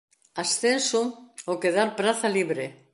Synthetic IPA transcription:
asθensuokeðaɾpɾaθaliβɾe

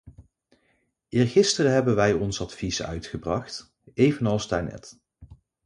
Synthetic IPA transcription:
ʔɪːɹχɪstərəɦɛbənʋɛjɔnsɑtfisœ̰ɥtχəbrɑχt | ejvənɑlˠstaɹnɛ̰t

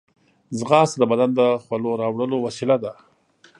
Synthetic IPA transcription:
zɣɑsd̪əbad̪and̪əxwaloɾɑwɽəlowasilad̪a

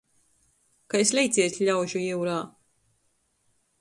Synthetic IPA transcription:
kaeslʲɛjt̪sʲiɛt̪ʲʎʲawʒujiwɾaː

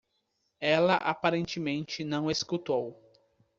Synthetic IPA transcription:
ɛlɐʔapaɾẽnt͡ʃɪmẽnt͡ʃɪnɐ̃w̃eskut̪ow

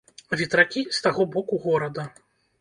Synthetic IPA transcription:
vʲit̪ɾakʲist̪aɣɔbɔkuɣɔɾɐd̪ɐ

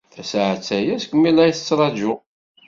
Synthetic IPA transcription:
θæsʕət͡sːæjæskʷəmːilæjθə̥t͡sːɾˤɑd͡ʒʊ

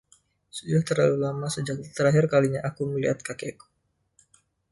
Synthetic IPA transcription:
sudaht̪ərlalulamasəd͡ʒak̚t̪əɾaɦɪrkaliɲaʔakuməlḭhat̪̚kakeku̥

